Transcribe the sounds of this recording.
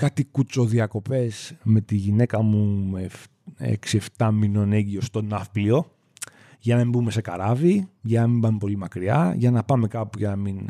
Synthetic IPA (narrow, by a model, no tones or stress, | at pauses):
kɐt̪ikut͡so̞ðiɐko̞pe̞sme̞t̪iʝine̞kɐmume | ḛksie̞ft̪ɐmino̞ne̞ɟio̞st̪o̞nɐfplio̞ | ʝɐnɐmimbume̞se̞kɐɾɐviʝɐnɐmibɐmepo̞limɐkɾiɐ̰ʝɐnɐpɐme̞kɐpuʝɐnɐmin